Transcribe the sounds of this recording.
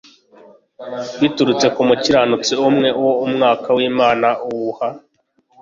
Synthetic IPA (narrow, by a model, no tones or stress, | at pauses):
wituɾut͡se̞kumuciɾanut͡siumŋe̞uwoumŋaːkawiːmaːnaʔuwuha